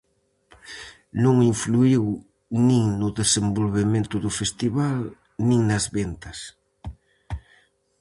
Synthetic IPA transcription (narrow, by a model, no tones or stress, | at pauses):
nõŋiɱfluiw | nĩŋnʊðesembolβemẽnt̪ʊðʊfest̪iβal | nĩŋnɐzβent̪ɐs